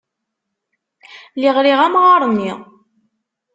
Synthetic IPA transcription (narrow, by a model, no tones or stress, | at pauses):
liʁɾiʁæmʁɑɾˤnːi